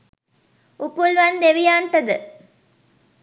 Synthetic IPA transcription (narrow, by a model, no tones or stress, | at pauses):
upulʋɐnd̪eʋijaːɳʈɐd̪ɨ